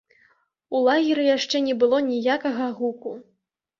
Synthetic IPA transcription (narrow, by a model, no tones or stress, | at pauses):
ulˠaɣʲiɾɨjaʂt͡ʂɛnʲɛbɨlˠɔnʲijakɐɣɐɣuku